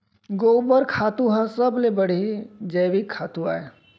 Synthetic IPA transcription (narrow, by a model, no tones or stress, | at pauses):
ɡobəɾkʰat̪ũɦə̃səblebəɽ̤id͡ʒəjʋikʰːaːt̪ũa̰ːe